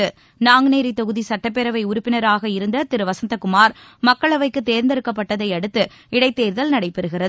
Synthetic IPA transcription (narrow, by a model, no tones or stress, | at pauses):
ɯ | naːŋɡɯneːɾit̪ːɔɣɯðisɐʈːɐpːɛɾɐʋɐɪʊɾʊpːɪnɐɾaːɣɐɪɾɯnd̪ɐt̪ɪɾɯʋɐsɐnt̪ɐkːʊmaːɾmɐkːɐɭɐʋɐɪkːɯt̪eːɾnd̪ɪɾɯkːɐp̬ːɐʈːɐðɐɪɐɽɯt̪ːɯ | ɪɽɐɪt̪ːeːɾðɐlnɐɽɐɪpːɛɾɯɣɪrɐð